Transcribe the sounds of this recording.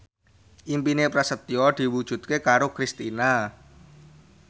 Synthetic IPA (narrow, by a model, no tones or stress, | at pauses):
ʔimpinepɾasət̪jɔd̪̥i̤wud̥ʒ̥ṳt̪̚kekaɾokɾist̪ina